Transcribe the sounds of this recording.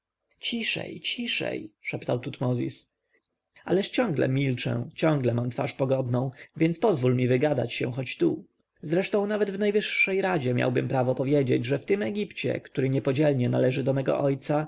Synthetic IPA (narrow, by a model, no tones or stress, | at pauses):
t͡ɕiʂɛ̰jt͡ɕiʂɛ̰jʂɛpt̪awt̪ut̪mɔzʲḭs | a̰lɛʂt͡ɕɔ̃ŋɡlɛ̰mʲilt͡ʂɛ̰t͡ɕɔ̃ŋɡlɛmamt̪faʂpɔɡɔd̪nɔ̃w̃vʲjɛntspɔzvulmʲivɘɡad̪a̰t͡ɕɕɛ̰̃xɔt͡ɕt̪u | zɾɛʂt̪ɔ̃w̃navɛd̪vnajvɘʂːɛjɾad͡ʑɛmʲja̰wbɘmpɾavɔpɔvʲjed͡ʑed͡ʑʐɛft̪ɘmɛɡʲipt͡ɕɛ̰kt̪uɾɘɲɛpɔd͡ʑɛlɲɛnalɛʐɘd̪ɔmɛɡɔ̰ʔɔjt̪sa